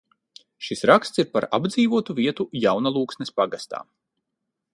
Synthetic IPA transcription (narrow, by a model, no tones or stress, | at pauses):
ʃisɾakst̪siɾpaɾa̰bd̪ziːvuɔt̪uviɛt̪ujawnalˠuːksnɛspaɡast̪a̰ː